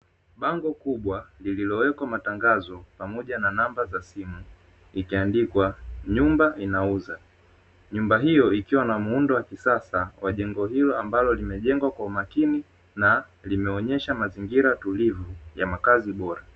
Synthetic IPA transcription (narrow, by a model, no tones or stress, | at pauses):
ɓaŋɡɔkuɓwalililɔwɛkwamataŋɡazɔpamɔʄananambazasimu | ikiandikwaɲumbainauza | ɲumbaɦijɔikiwanamuundɔwakisasawaʄɛŋɡɔɦilɔambalɔlimɛʄɛŋɡwakwaumakini | na | limɛɔɲɛʃamaziŋɡiɾatulivujamakaziɓɔɾa